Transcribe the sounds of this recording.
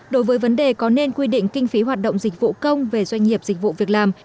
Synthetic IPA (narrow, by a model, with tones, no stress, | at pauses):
ɗo˨˦jvəː˨˦jvə˨˦nɗe˨˩kɔ˨˦ne˧nkwi˧ɗḭ̈˧˨ŋ̟kï˧ŋ̟fi˨˦ɦwaː˨˩t̚ɗə̰˧˨ŋ͡mzï˨˩k̟̚vṵ˧˨kə˧wŋ͡mve˨˩zwa˧jŋ̟ŋi˨˩əp̚z̥ï̟˨˩vṵ˧˨vi˨˩ək̚laː˨˩m